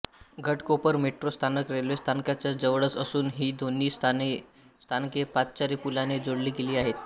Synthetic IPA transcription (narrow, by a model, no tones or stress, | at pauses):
ɡʱəʈkopəɾmeʈɾost̪ʰanəkɾelʋest̪ʰankat͡ɕjad͡zəʋɽət͡səsuːnɦiːd̪onːiːs | st̪ʰankepat͡st͡ɕaɾiːpulaned͡zoɽliːɡeliːaɦet̪